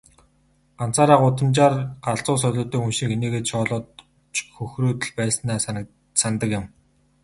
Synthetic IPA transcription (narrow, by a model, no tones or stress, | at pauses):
ɢan̥t͡saːɾaːqʊt̪ə̆mt͡ɕaːrɢ̥aɮt͡sʊːsœɮʲʊːt̪œːxunʃĭkxeneːɣeːt̪ʃɔːɮɔːt̪ | xɵxruːt̪ɘ̆ɮpæːsə̆naːs | sant̪ə̆kjɪ̆m